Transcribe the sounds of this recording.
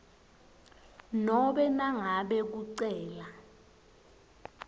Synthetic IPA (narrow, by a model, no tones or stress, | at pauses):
nɔɓɛnaŋaɓɛk̬uǀɛːla